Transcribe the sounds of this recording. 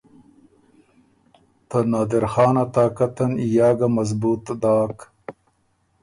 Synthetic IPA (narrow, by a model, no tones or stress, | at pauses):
t̪ɐnaːd̪eɾxaːnat̪aːkɐt̪ɐnijaːɡamɐzbuːt̪d̪aːk